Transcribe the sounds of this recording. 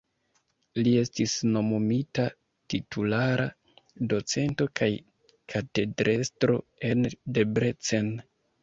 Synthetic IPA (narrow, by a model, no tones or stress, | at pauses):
lie̞stisno̞momita | titʰulaɾa | do̞t͡se̞nto̞kʰaj | kʰate̞dɾʔe̞stɾo̞̰e̞nde̞bɾe̞t͡se̞n